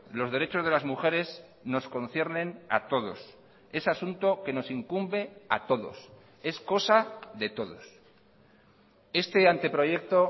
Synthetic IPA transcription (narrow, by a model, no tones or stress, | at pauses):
lo̞zð̞e̞ɾe̞t͡ʃo̞zð̞e̞lazmuxe̞ɾe̞s | no̞sko̞nθje̞ɾnẽ̞na̰t̪o̞ð̞o̞̰s | e̞sasunt̪o̞ke̞no̞siŋkumbe̞at̪o̞ðo̞̰s | e̞sko̞saðe̞t̪o̞ðo̞s | e̞st̪e̞ant̪e̞pɾo̞ʝe̞k̚t̪o̞